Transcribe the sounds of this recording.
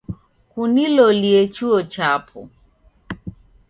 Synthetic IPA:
kuniloliet͡ʃuɔt͡ʃapʰɔ̰

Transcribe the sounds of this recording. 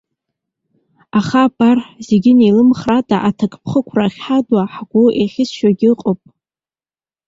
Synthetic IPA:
aχabʼarħzeɡʲɪnelɨmχratʰʼaʔatʰakʰʼpʰχəkʷʰraχʲħadwaħɡ̥ʷuʔeχʲɪsʃaɡʲɪɨqʼopʼ

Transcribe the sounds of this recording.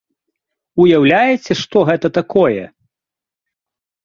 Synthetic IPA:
ujawlʲajɛt͡sʲɛʂt̪ɔɣɛt̪ɐt̪akʰɔjɛ̰

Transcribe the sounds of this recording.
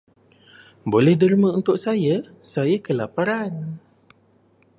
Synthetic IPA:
bolɛhdəɾimaunt̪ʊʔsajə | sajəkəlapaɾan

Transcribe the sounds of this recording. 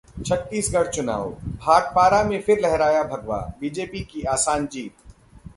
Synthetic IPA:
t͡ʃʰɐt̪ːiːsɡɐɽ̤t͡ʃʊna̰ːwbʱaːʈ̚paːɾamẽfɪɾlɛɦɾaːjabʱɐɡʋa̰ːbiːd͡ʒeːpikiaːsaːnd͡ʒiːt̪

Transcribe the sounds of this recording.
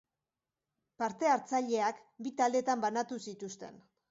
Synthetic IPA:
paɾt̪e̞aɾt͡saʎe̞akbit̪ald̪e̞t̪ambanat̪usit̪ust̪e̞̰n

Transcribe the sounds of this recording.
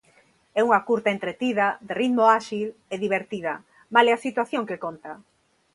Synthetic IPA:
ɛuŋɐkuɾt̪aent̪ɾet̪iðɐðerit̪moaʃileðiβeɾt̪iðɐ | malɛasit̪waθjoŋkekont̪a

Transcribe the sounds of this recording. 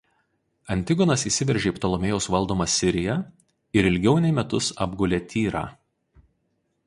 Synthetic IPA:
ɐnʲt̪ʲɪɡɔnɐsiːˑsʲɪʋʲɛɾʲʒʲeipt̪ɔlˠɔmʲeːjɛʊsʋɐlˠd̪oːmɐsʲɪɾʲɪjɛ | ɪɾɪlʲɡʲɛʊnʲɛɪmʲɛt̪ʊsɐ̰bɡʊlʲet̪ʲʰiːɾɑ̰ː

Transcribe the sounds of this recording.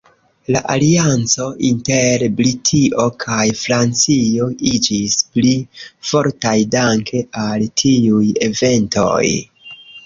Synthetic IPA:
laʔaliant͡so̞ʔinte̞ɾbɾitʰiʔo̞kʰajfɾant͡sio̞id͡ʒisplifo̞ɾtajdaŋkʰe̞ʔaltʰiuje̞ve̞nto̞̰j

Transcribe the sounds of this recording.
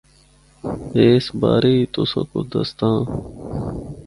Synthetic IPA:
eːsba̰ːɾit̪osõ̰kod̪ɐ̰st̪ãː

